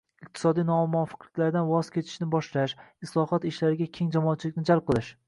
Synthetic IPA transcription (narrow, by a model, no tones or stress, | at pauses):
ɪq̚t̪ʰɪ̥sɒd̪ijnɒmɒfɨ̥qlɪkʲlaɾd̪anwɒz̥kʲʰe̞t͡ʃ̪ʰɪ̥ʃnɪbɒʃlaʃɪslˠɒhɒt̪ɪʃlaɾɪɡʲakʲʰe̞ŋd͡ʒamɒːt̪̚t͡ʃʰɪlɪkʲnɪd͡ʒalp̚qʰɨlˠɪʃ